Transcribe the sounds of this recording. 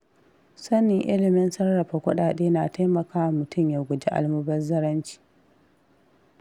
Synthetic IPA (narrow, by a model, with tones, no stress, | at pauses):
sɐ˦nɪ˨ŋʔɪ̰˦lɪ˨mɪ˦nsɐ˦rɽɐ˨ɸa˨kʷʊ˦ɗaː˨ɗeː˦na˨ta˦jmɐ˨kaː˦wa˨mʊ˨tʊ˦˨mjaː˨ɡʷʊ˨d͡ʒe˦ʔa̰˨lmʊ˦bɐ˦rzɐ˦ɾɐ˦nt͡ʃi̥ː˨